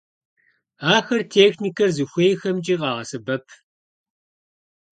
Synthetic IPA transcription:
aːxɐrtʰeːxnikʰɐzɨxʷejxɐmt͡ʃʼiːqɑːʁɐsɨbɐpʰ

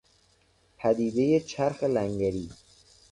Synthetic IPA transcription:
pʰæd̪iːd̪e̞jet͡ʃʰæɾxelæŋɡæɾiː

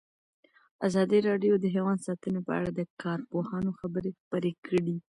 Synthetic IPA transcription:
azɑd̪iɾɑɖjod̪əɦewɑnd̪sɑt̪ənepə̰a̰ɽad̪əkɑɾpohɑnoxabəɾexpəɾekʰəɽi

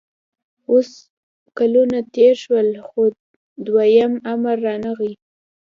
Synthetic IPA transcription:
os | kalunat̪eɾʃwəlxo | d̪wajamamaɾːɑnaɣi

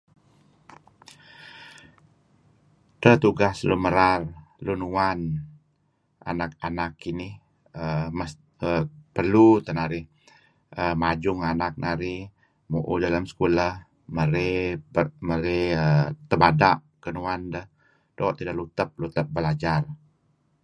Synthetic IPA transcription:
t̪ət̪uɡasluməɾarlunuan | ʔa̰nakanakːinɪh | əməs | əpərlut̪ənaɾɪh | əmad͡ʒʊŋanak̚nʔaɾɪh | muʔṵdalamsə̥kulah | məɾeəməɾeət̪əbadaʔ | kənuandəh | d̥oʔt̪idaʔlut̪əp̚lut̪əp̚bəlad͡ʒar

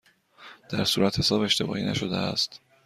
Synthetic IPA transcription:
d̪̥æɾsuːɾæt̪he̞sɒːbe̞ʃt̪e̞bɒ̰ːʔiːnæ̰ʃo̞d̪eæ̰st̪

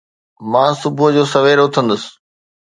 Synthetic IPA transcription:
mãːsʊbʊd͡ʑoːsɐʋeːɾʊt̪ʰə̃nd̪əsɪ̥̆

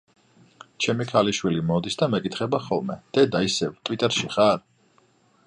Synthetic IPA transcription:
t͡ʃʰɛmikʰaliʃwilimɔd̪isd̪amɛkʼit̪ʰχɛbaχɔ̰lˠmɛd̪̥ɛd̪aisɛvt̪ʼwit̪ʼɛɾʃiχaɾ

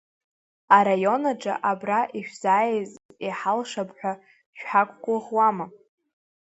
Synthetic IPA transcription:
aɾajo̞naʈ͡ʂʼa̰ʔabraʔiʃʷᶣzaːjeziħalʂapʰʼħʷᶣa | ʃᶣħakʷʰʼɡʷʼʊʁwama

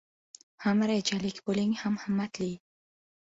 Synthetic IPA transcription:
hamɾed͡ʒalikboliŋhamhamːat̪li

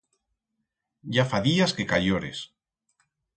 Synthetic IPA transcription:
ɟ͡ʝafaðiaskekaʎoɾḛs

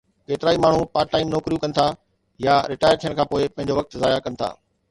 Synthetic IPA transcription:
keːt̪ɪɾaːimaːɳ̤upaːɾʈaːɪmnoːkɾijukɐnɪ̆t̪ʰa | jaɾɪʈaːɪəɾt̪ʰiəɽ̃kʰãːpoːɪpɐ̃ɪɲd͡ʑoʋɐk̚t̪zaːjakɐnɪ̆t̪ʰa̰ː

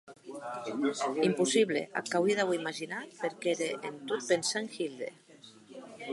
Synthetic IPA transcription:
impusiβlḛʔa̰kawiðawimaʒinat̪peɾkeɾeʔent̪ut̪̚pensaŋxild̪ḛ

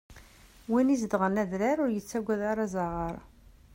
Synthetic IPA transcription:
winizd̪ʁənæðɾæɾʊɾjət͡sːæɡʷːæðaɾˤazaʁəɾˤ

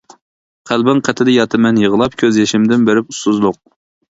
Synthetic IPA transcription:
qʰælbɪŋqʰɛt̪ʰɪd̪ɪjɑt̪ʰɨmɛnjəʁəlˠɑp̚kʲʰøzjeʃɪmd̪ɪnbeɾɪpusuzlˠʊq̚

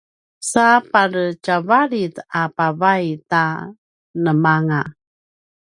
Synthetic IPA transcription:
sapaɾət͡ʃavaɾitapavajta | nəmaŋa

